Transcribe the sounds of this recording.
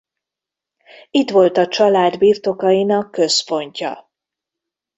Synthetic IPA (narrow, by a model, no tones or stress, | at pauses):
it̪ʋo̞lt̪ɒt͡ʃɒlaːd̪biːrt̪o̞kɒjinɒkːø̞spo̞ɲcɒ̰